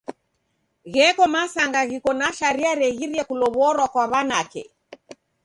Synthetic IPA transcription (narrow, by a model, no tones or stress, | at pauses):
ɣɛkɔmasaŋɡaɣikɔnaʃaɾiaɾɛɣiɾiɛkulɔβɔɾwakwaβanakɛ̰